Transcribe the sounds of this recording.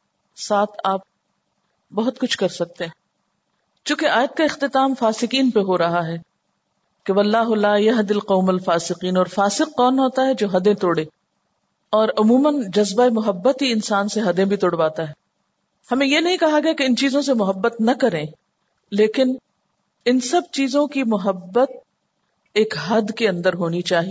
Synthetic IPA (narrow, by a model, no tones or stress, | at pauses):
saːt̪ʰaːp̚ | bɐɦʊt̪kʊt͡ʃʰkɐɾsɐk̚t̪ẽɦɛ̃ | t͡ʃũːkeʔaːjət̪̚kaɪxt̪ɪt̪aːmfaːsɪqiːnpeɦoɾɐɦaɦɛː | keʋɐlːaːɦʊlaːjɐɦd̪ɪlqɐːmɐlfaːsɪqiːnɔːɾfaːsɪqːɔːnɦoːt̪aɦɛd͡ʒoːɦɐd̪ẽt̪oːɽẽː | ɔːɾʊmuːmənd͡ʒɐzbaemʊɦəbːət̪iɪnsaːnseɦɐd̪ẽbʱit̪ʊɽʋaːt̪aɦɛː | hɐmẽjenɐɦĩkɐɦaɡɐjakeɪnt͡ʃiːzõsemʊɦəbːət̪nɐkɐɾẽː | leːkɪn | ɪnsɐb̚t͡ʃiːzõkimʊɦəbːət̪̚ | eːkɦɐd̪keɐ̃nd̪əɾɦoːnit͡ʃaːɦie